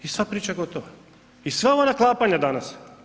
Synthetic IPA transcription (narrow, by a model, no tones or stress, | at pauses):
isvapɾit͡ʃaɡot̪oʋa | isvɛvanaklˠapaɲad̪anas